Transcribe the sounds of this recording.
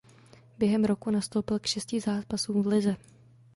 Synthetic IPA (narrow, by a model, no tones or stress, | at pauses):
bjɛɦɛmɾo̞kunast̪o̞wpɪlkʃɛscɪzaːpasuːmvlɪzɛ